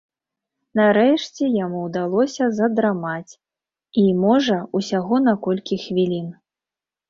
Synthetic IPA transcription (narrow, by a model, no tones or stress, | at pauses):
naɾɛʂt͡sʲɛjamuwd̪alˠɔsʲɐzɐd̪ɾamat͡sʲ | imɔʐɐusʲaɣɔnakɔlʲkʲixvʲilʲin